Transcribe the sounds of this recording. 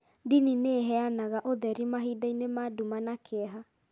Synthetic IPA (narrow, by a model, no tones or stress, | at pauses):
dinineɦɛanaɣaʔoðɛɾimaɦidainemadumanakʰeɛɦa